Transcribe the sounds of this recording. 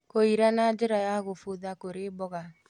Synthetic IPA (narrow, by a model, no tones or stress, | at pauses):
koiɾanad͡ʒeɾajaɣofoðakoɾebɔɣa